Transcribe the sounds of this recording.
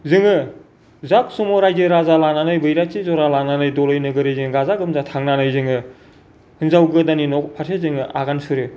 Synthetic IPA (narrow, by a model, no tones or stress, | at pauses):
zɯŋɯ | zap̚sɯmɔɾajdɯɾazalananɯjbɯjɾatizɔɾalananɯjdɔlɯjnɯɡɯɾɯjzɯŋɯɡazaɡɯmzatʰaŋnanɯjzɯŋɯ | hɯnzawɡɯdaninɔkpʰasʰezɯŋɯʔa̰ɡansɯɾɯ